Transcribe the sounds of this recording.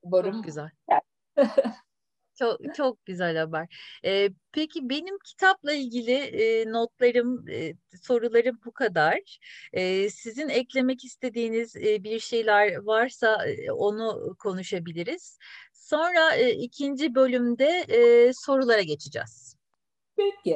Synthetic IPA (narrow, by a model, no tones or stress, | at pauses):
bookɟyzælʲ | t͡ʃʰokt͡ʃʰo̞k̚ɟyzælʲabaɾ̥ɛpʰecʰibe̞nimcʰi̥t̪ʰaplˠailʲɟilʲɪːnot̪̚lˠaɾɯmso̞ɾulˠaɾɯmbukʰad̪aɾ̥ɛːsizinɛclʲe̞mɛcist̪ʰe̞d̪iːnizbiɾʃe̞jlʲæɾvaɾsao̞nukʰo̞nuʃabilʲiɾiz̥ | so̞nɾaɯːicʰind͡ʒibø̞lʲymd̪ɛso̞ɾulˠaɾaɟet͡ʃʰid͡ʒɛ̰z̥ | pecɪ